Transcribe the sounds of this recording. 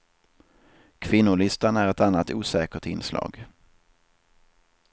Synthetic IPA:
kʰvɪnːʊɭɪst̪anæɾɛt̪anːat̪uːsɛːkəʈ̪ɪnslɑ̰ːɡ

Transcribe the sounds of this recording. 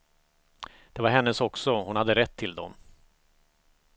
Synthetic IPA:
d̪̥ɛvaɾɦɛnːəsɔksɔhʊnhad̪ːəɾɛt̪ʰːɪld̪ɔm

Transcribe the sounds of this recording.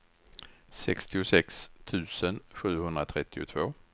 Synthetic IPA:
sɛkst̪ɪʊsɛkst̪ʰʉ̟ːsənɧʉ̟ːhɵnd̪ɾat̪ʰɾɛt̪ːɪʊ̰t̪ʰvoː

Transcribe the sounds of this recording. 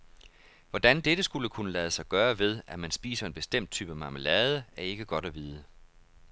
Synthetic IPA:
ʋɒd̥ænd̥ed̥əsɡ̥uləkʰunəlæð̞ˠəsɑ̈ɪɡ̥ɶːɐʋe̝ð̞ˠæmænsb̥ḭːsɐe̝nb̥e̝sd̥em̰d̥̚t͡sʰyːb̥æmɑ̈məlɛːð̞ˠəæɐe̝ɡ̥əɡ̥ɒ̽ɾ̥æʋiːð̞ˠə

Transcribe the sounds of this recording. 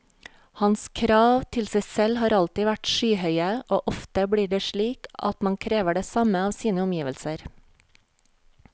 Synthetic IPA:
hɑnskʰɾɑːʋt̪ʰɪlsæɪsɛlhɑːɾɑlt̪ɪːʋæʈʃyːhœʏəʔoːʔɔft̪əbɽiːɖeːʃɭiːkɑ̰t̪mɑŋkʰɾeːʋəɖeːsɑməɑːʋsiːnəʊmjiːʋəlsəɾ

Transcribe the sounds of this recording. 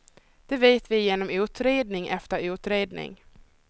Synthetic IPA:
d̪̥ɛveːt̪vɪjeːnɔmʉ̟ːt̪ɾeːd̪nɪŋʔɛft̪əɾʉ̟ːt̪ɾeːd̪nɪ̰ŋ

